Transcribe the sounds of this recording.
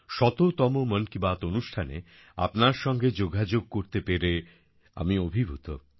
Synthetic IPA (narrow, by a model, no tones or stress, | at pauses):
ʃɔt̪ot̪ɔmomənkibat̪onuʃʈʰanḛ | a̰pnaɾʃɔŋɡed͡ʑoɡad͡ʑoɡ̚koɾt̪epeɾe | a̰miobʱibʱut̪o